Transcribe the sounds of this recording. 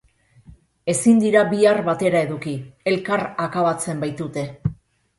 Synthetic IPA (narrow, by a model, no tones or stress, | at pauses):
e̞sind̪iɾaβiarβat̪e̞ɾae̞ðukie̞lkaɾakaβat͡se̞mbajt̪ut̪e̞